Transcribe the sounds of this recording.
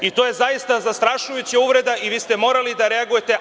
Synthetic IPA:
it̪o̞je̞zajist̪azast̪ɾaʃujut͡ɕauʋɾe̞d̪aʔiʋiːst̪e̞mo̞ːɾalid̪aɾe̞aɡuje̞t̪e̞

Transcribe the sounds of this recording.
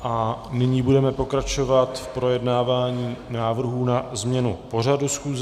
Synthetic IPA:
ʔanɪɲiːbudɛmɛpo̞kɾat͡ʃo̞vat̪fpɾo̞jɛdnaːvaːɲiːnaːvr̩ɦuːnazmɲɛnupo̞r̝adusxuːz

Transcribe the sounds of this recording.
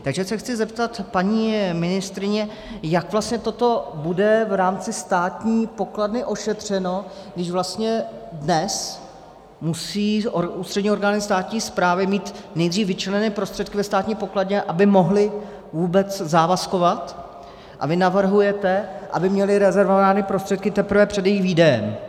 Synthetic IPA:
t̪aɡʒɛsɛxt͡sɪzɛpt̪at̪paɲiːmɪnɪst̪ɾɪɲɛ | jakvlast̪ɲɛt̪o̞t̪o̞budɛvɾaːmt͡sɪst̪aːt̪ɲiːpo̞kladnɪʔo̞ʃɛt̪r̝̥ɛno̞ | ɡdɪʃvlast̪ɲɛdnɛs | musiːouːst̪r̥ɛdɲiːo̞ɾɡaːnɪst̪aːt̪ɲiːspɾaːvɪmiːt̪nɛjd̪riːfvɪt͡ʃɛlɛnɛːpɾo̞st̪r̥ɛt̪̚kɪvɛst̪aːt̪ɲiːpo̞kladɲɛʔabɪmo̞ɦlɪ | vuːbɛt͡szaːvasko̞vat̪ | ʔa̰vɪnavr̩ɦujɛt̪ɛʔa̰bɪmɲɛlɪɾɛzɛɾvovaːnɪpɾost̪r̥ɛt̪̚kɪt̪ɛpɾ̩vɛpr̥ɛd̪jɛjɪxviːdɛjɛm

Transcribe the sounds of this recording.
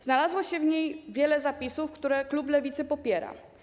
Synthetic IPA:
znalazwɔɕɛvɲejvʲjɛlɛzapʲisufkt̪uɾɛklublɛvʲit̪sɘpɔpʲjɛɾa̰

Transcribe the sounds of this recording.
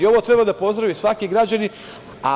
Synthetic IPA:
io̞ʋot̪ɾe̞bad̪apo̞zd̪ɾaʋisʋakiɡɾad͡ʑani | a̰

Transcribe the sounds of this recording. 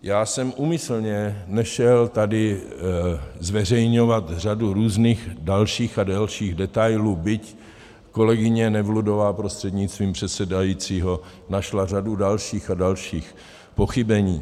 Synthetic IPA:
jaːsɛmʔuːmɪsl̩ɲɛnɛʃɛlt̪adɪ | zvɛr̝ɛjɲo̞vat̪r̝aduɾuːzniːxdalʃiːxadalʃiːɣdɛt̪ajluːbɪc | ko̞lɛɡɪɲɛnɛvludovaːpɾost̪r̥ɛd̪ɲɪtst̪viːmpr̝̥ɛt̪sɛdajiːt͡siːɦo̞ | naʃlar̝adudalʃiːxadalʃiːx | po̞xɪbɛɲiː

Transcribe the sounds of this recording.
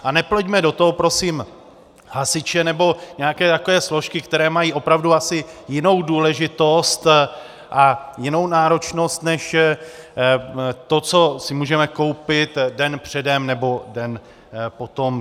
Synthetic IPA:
ʔanɛplɛɟmɛdo̞t̪oɦopɾo̞sim | hasɪt͡ʃɛnɛbo̞ɲɛakɛːt̪ako̞vɛːslo̞ʃkɪkt̪ɛɾɛːmajiːʔo̞pɾavduasɪjɪno̞wduːlɛʒɪt̪o̞st̪ | ʔajɪno̞wnaːɾo̞t͡ʃno̞st̪nɛʃ | t̪o̞t͡so̞sɪmuːʒɛmɛko̞wpɪt̪dɛnpr̝̥ɛdɛmnɛbo̞dɛn | po̞t̪o̞m

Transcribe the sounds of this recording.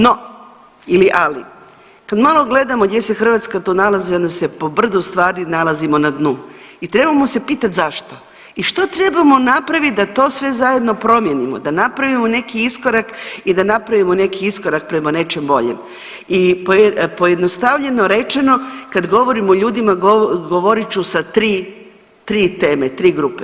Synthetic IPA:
no̞ | iliʔalḭ | kad̪malˠo̞ɡle̞d̪amoɡd̪je̞se̞xr̩ʋat̪skat̪oːnalaziond̪ase̞po̞br̩zust̪ʋaːɾinalˠazimo̞nad̪nuː | it̪ɾe̞bamose̞piːt̪at̪ʲzaʃt̪o | iʃt̪ot̪ɾe̞bamo̞napɾaʋit̪̚d̪at̪o̞sʋe̞zaje̞d̪no̞pɾo̞mje̞nimo̰d̪anapɾaʋimone̞kiiskoɾakid̪anapɾaʋimone̞kiisko̞ɾak̚pɾe̞mane̞t͡ʃe̞mbo̞̰ʎḛm | ipopo̞jed̪nost̪aʋʎe̞no̞ɾe̞t͡ʃe̞no̞kad̪ɡo̞ʋo̞ɾimooʎuːd̪imaɡoɡoʋo̞ɾit͡ʃusat̪ɾiː | t̪ɾiːt̪e̞ːmet̪ɾiːɡɾuːpe

